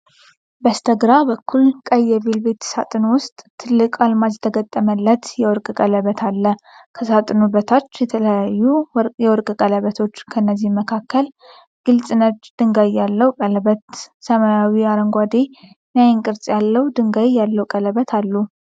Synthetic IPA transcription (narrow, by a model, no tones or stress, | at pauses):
bəst̪ʰəɡɾabəkːulkʼəjːɛβelbe̞t̪sa̰t̪ʼɨnwʊst̪ʼt̪ʰːɨlːɨkʼalmad͡ʒt̪ʰəɡət̪ʼːəməlːət̪jɛwɔɾkʼəkʼələβət̪ʰalːə | kʰəsat̪ʼɨnubət̪ʰat͡ʃːjɛt̪ʰələjajːujɛwɔɾkʼəkʼələβət̪ʰo̞t͡ʃːkʰənːəzːihməkʰakːəl | ɡ̥ɨlt͡sʼɨnəd͡ʒd̪̥ɨŋɡajːalːəwukʼələβət̪səmajawiaɾəŋɡʷad̪e | najɪŋkʼɨɾsʼjalːəwd̪ɨŋɡajːalːəwkʼələβət̪ʰalːu